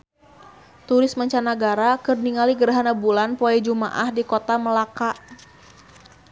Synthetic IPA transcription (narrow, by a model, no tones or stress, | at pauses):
t̪uɾɪsmaɲt͡ʃanaɡaɾakɨrniŋaliɡəɾaɦanabulanpoɛd͡ʒuma̰ʔahdikot̪aməlakaʔ